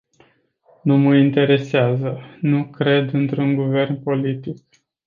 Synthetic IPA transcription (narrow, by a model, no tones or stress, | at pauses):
numəint̪e̞ɾe̞seazənukɾe̞d̪ɨnt̪ɾunɡuve̞rnpo̞lit̪ik̚